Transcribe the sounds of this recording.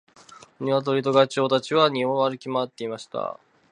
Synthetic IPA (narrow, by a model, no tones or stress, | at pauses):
ɲ̟iβat̪̬o̞ɾʲit̪o̞ɡat͡ɕo̞ːt̪at͡ɕiβaɲ̟iɦõaɾɯ̟kʲimoat̪ːe̞imaɕi̥t̪a̰